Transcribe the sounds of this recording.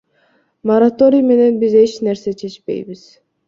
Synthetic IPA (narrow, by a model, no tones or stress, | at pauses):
moɾat̪o̞ɾʲijme̞ne̞nbize̞t͡ʃneɾse̞t͡ʃʰe̞t͡ʃpe̞̰jbiz̥